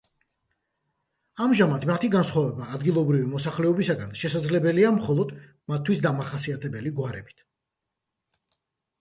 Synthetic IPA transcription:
amʒamat̪mat̪ʰiɡansχwavɛbaːd̪ɡilˠɔbɾivimɔsaχlɛɔbisaɡanʃɛsad̪zlɛbɛliamχɔlˠɔd̪ | mat̪ʰːwisd̪amaχasiat̪ʰɛbɛliɡwaɾɛbi̥t̪ʰ

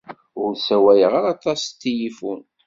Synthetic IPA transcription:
ʊɾsæwæjəʁaɾɑt̪ˤɑst̪ːijifun

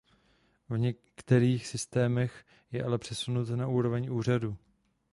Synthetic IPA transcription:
vɲɛ | kt̪ɛɾiːxsɪst̪ɛːmɛx | jɛʔalɛpr̝̥ɛsunut̪naʔuːɾo̞vɛɲʔuːr̝aduː

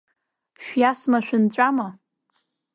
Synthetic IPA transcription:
ʃᶣjasmaʃʷᶣʊnt͡ɕʷʼama

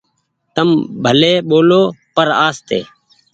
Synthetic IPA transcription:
t̪əmbʱəleːɓoːloːpəɾaːst̪ḛː

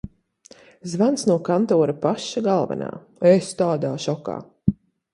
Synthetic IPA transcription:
zvansnuɔkant̪ɔːɾapaʃːaɡalˠvɛ̰na̰ː | est̪aːd̪aːʃɔka̰ː

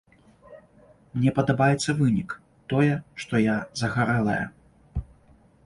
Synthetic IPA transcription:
mnʲɛpɐd̪abajɛt̪sːɐvɨnʲik | t̪ɔjɛʂt̪ɔjazɐɣaɾɛlˠɐ̰jɐ̰

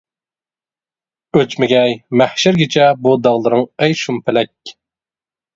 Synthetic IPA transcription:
øt͡ʃmɪɡʲɛjmæhʃɪɾɡʲɪt͡ʃʰɛbud̪ɑʁlˠɨɾɨŋɛjʃumpʰɪlɛk̚ʲ

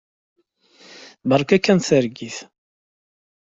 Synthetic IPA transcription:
bəɾˤkækːænθəɾɡiθ

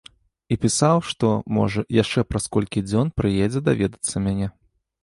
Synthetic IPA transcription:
ipʲisawʂt̪ɔmɔ̰ʐɐjaʂt͡ʂɛpɾaskɔlʲkʲid͡zʲɔnpɾɨjɛd͡zʲɛd̪avʲɛd̪ɐt̪sːɐmʲanʲɛ

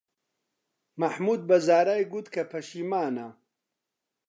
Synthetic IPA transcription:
mɐħmuːd̪̚bɐzaːɾaːjɡut̪kʰɐpʰɐʃiːmaːnɐ

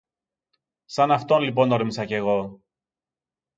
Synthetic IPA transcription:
sɐnɐft̪o̞nlipo̞noɾmisɐce̞ɣo̞

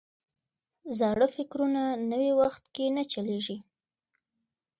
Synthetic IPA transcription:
zɑɽəfɪkɾunanəwiwaxt̪kenat͡ʃaleʒi

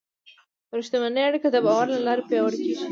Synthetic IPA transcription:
ɾuʃt̪amanəjaɽikad̪əbɑwaɾlalɑɾepjɑwəɽkeʒi

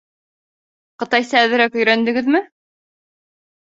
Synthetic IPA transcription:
qɤ̆t̪ɑjsɑːðɘ̆ɾækɵ̆jɾænd̪ɘ̆ɡɘðmɘ

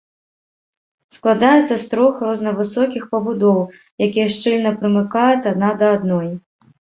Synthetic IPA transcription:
sklˠad̪ajɛt̪sːɐst̪ɾɔxrɔznɐvɨsɔkʲixpɐbud̪ɔw | jakʲijɐʂt͡ʂɨlʲnɐpɾɨmɨkajɛt͡sʲad̪̚nad̪ɐːd̪nɔj

